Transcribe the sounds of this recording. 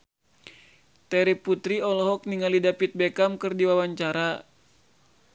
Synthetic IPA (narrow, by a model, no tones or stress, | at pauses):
t̪ɛɾiput̪ɾiɔlɔɦɔk̚niŋalidapit̪̚bɛkamkɨrdiwawaɲt͡ʃaɾa